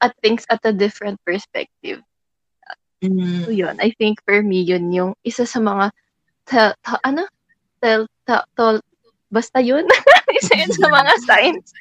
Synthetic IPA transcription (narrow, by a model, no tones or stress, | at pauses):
ʔɐt̪̚θɪŋksɐt̪̚ɐd̪ɪfɾɛnt̪̚pɛɹspɛ̰k̚t̪ɪ̰v | a̰ | ojonʔɐjθɪŋkfɔɹmijʊnjʊŋʔɪsasɐmɐŋa | t̪ɐt̪ɐʔɐno | t̪ɛlt̪ɐt̪ol | bɐst̪ɐjonmɪsɐjʊnsɐmɐŋasajns